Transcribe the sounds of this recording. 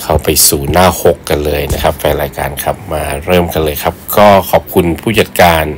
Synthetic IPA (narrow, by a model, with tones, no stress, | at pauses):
kʰa˧˩wpa˧jsuː˨˩naː˥˩ho˨˦kːa˧nlɤː˧jna˦˥kʰa˦˥p̚fɛː˧ɾaː˧jka̰ː˧nkʰa˨˩p̚maː˧ɾɤː˥˩mka˧nlɤː˧jkʰa˦˥p̚kɔː˥˩kʰɔː˨˩p̚kʰu˧npʰuː˥˩ja˨˩t̪̚kaː˧n